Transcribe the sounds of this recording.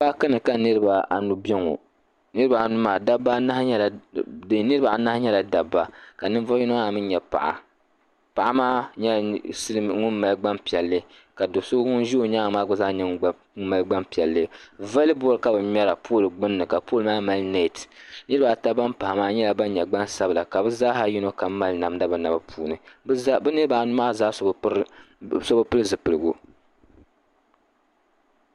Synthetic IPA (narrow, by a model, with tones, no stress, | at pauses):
ba˦ka˦nɨ˨ka˨nɨ˦ɾɨ˦ba˨a˨nu˦bɛ˦ŋo̰˨ | nɨ˦ɾɨ˦ba˨a˨nu˦maː˨da˦ba˦na˦hɲ˦la˨˦ | nɨ˦ɾɨ˦ba˨a˨na˦hɲɛ˦la˨da˨bːa˦ka˨nɨ˦n˦vɔ˦ji˦nɨ˦ŋa˦˨mɨ˦ɲɛ˨pa̰˨ʔa̰˨ | pa˨ʔa˦maː˦ɲɛ˦˨sɨ˦lɨ˦ŋʊ˦nma˨lɡ͡ba˦mpi˨ɛ˨lːɨ˦ | ka˨do˨so˦ŋʊ˦n˦ʒi˦o˨ɲaː˦ŋ˨maː˦ɡʊ˦za˦ɲɛ˦ŋ˦ | ŋ˦ma˨lɡ͡ba˦mpi˨ɛ˨lːɨ˦va˦lɨ˦bɔ˦ɾɨ˨ka˨bɨ˨mɛ˦ɾa˨pʰo˦˨lɨ˨ɡ͡bɨ˦nːɨ˨ka˨po˦˨lɨ˨maː˦ma˨lne˦˨tnɨ˦ba˨ta˦ba˦mpa˨ha˨maː˦ɲɛ˦la˨ba˦n˦ɲɛ˨ɡ͡ba˦nsa˦bɨ˨la˨ka˨bɨ˦za˦ɦa˦ji˦no˦ka˨˦ma˦lna˨m˦da˦bɨ˨na˨ba˦pʰuː˨nɨ˨˦bɨ˦nɨ˦ba˨nʊ˦maː˦zaː˦s | so˦bɨ˦pɨ˦lɨ˦zɨ˨pɨ˨lɨ˨ɡu˦